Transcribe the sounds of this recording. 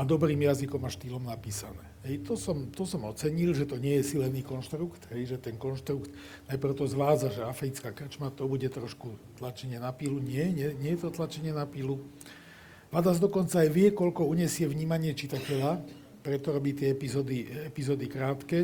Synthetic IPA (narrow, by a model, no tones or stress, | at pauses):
ad̪ɔbɾiːmjazikɔmaʃt̪iːlɔmnapiːsanɛːɦɛjt̪ɔsɔmt̪ɔsɔmɔt͡sɛɲilʒɛt̪ɔɲɪɛjɛsilɛniːkɔnʃt̪ɾukt̪ɦɛjʒɛt̪ɛnkɔnʃt̪ɾukt̪ | najprʊt̪ɔzʋaːd͡zaʒɛafɾit͡skakr̩t͡ʃmat̪ɔbuɟɛt̪ɾɔʃkut̪lat͡ʃɛɲɪɛnapiːluɲɪɛɲɛɲɪɛjɛt̪ɔt̪lat͡ʃɛɲɪɛnapilu | ʋad̪azd̪ɔkɔnt͡saːjʋɪɛkɔʎkɔuɲɛsɪɛʋɲiːmaɲɪɛt͡ʃit̪acɛʎa | pɾɛt̪ɔɾɔbiːt̪ɪɛɛpizɔd̪iɛpizɔːd̪ikɾaːt̪kɛː